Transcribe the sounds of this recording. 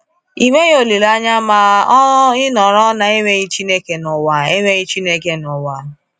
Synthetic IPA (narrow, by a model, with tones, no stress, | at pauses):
i˨me˦jo˨li˨la˦ɲa˦ma˦ | ɪ˦nɔ˨ɾɔ˦na˦e˦we˦ɣi˦t͡ʃi˦ne˦ke˨nʊ˨wa˦˨e˦ŋʷe˦ɲi˦t͡ʃi˦ne˦ke˦nʊ˨wa˦